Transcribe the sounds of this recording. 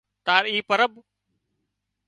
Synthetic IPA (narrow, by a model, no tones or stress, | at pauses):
t̪aːɾiːpəɾəb